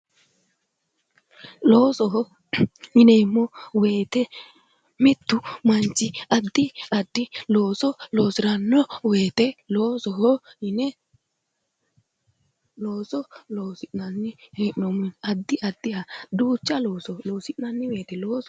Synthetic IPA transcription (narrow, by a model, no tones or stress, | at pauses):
loːsɔɦɔ | hɪnɛɪmːɔwe̞ːt̪ɛ | mɪt̪ːʊmɐnt͡ʃːɪɐd̪ːɪɐd̪ːɪlo̞ːsɔlo̞ːsɪɾɐnːɔweːt̪ɛloːsɔɦɔɪnɛ | loːsɔloːsɪʔnɐnːɪheʔnɔmʊnɐd̪ːɪʔɐd̪ːɪhɐd̪uːt͡ʃːɐloːsɔloːsɪʔnɐnːɪwe̞ːt̪ɛloːs